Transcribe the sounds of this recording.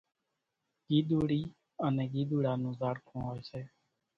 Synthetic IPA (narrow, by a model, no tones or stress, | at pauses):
ɡiːɗ̪uːɽiː | ənɛ̃ːɡiːɗ̪uːɽaːnũːzaːɽkʰõːɦoːseː